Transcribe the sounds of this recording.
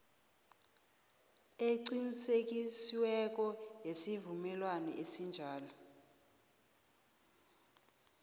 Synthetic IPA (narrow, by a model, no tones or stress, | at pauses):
eǀinisek̬isiwɛk̬ɔjesivumɛlwanɛ̰ʔesind͡ʒʱaːlɔ